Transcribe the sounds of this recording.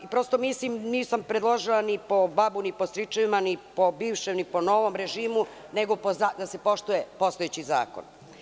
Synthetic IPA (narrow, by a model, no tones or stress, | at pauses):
ipɾo̞st̪o̞miːslimniːsampɾed̪lˠoʒilˠanipo̞babuniposɾit͡ʃaʋimanipo̞biːʋʃemnipo̞no̞ʋomɾe̞ʒiːmu | neɡopozaːd̪ase̞po̞ʃt̪uje̞po̞st̪ojet͡ɕiza̰ːko̰n